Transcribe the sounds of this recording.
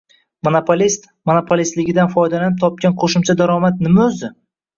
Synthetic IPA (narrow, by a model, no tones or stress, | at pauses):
monopʰolʲist̪ | monopʰolʲist̪lɪɡʲɪd̪anfɒjd̪alanɪp̚t̪ʰɒp̚kʲanqʰoʃʊmt͡ʃʰad̪aɾɒmat̪̚nɪmaɵzd̪ɪ